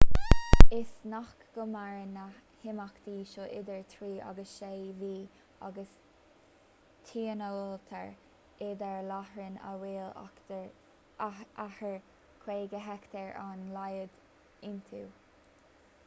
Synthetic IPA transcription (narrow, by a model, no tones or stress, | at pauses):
ɪsnaxkɡ̥əmaɹəna | hɪmakd̪̥iːʃɔʔɪd̪əɹt̪ʰɾiːʔa̰ɡəsʃejviː | a̰ɡəs | t̪ʰiːənəɔlt̪ʰə̰ɹ | ɪd̪əɹlahɹənə̰wiːl̰ | ahəɹ | kʰweːɡəɦɛkt̪ʰəɹanlajəd̪ | ɪnt̪ʰuː